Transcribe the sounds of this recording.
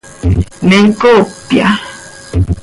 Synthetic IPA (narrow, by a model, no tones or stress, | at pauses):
meŋ̩kopja̰